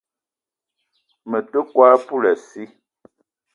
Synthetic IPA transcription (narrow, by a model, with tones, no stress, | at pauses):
mə˨tə˦kwa˦pu˦lɛ˨si˦